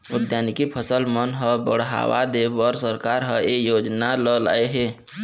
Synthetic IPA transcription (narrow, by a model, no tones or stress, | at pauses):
ʊd̪jaːnikipʰəsəlmənɦəbəɽ̤ɦa̰wa̰d̪ebɔːɾsəɾkaɾɦəejoːd͡ʒnaləla̰ːeɦeː